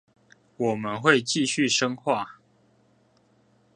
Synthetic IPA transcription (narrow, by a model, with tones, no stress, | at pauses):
wɔ˨˩mə˨˦nxwe˥˨ɪt͡ɕi˥˨ɕy˥˨ʂə˦ŋxwa˥˨